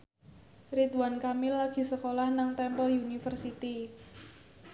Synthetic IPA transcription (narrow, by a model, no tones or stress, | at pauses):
rit̪wankamilaɡ̥i̤səkolahnaŋt̪ɛmpəljunifərsit̪i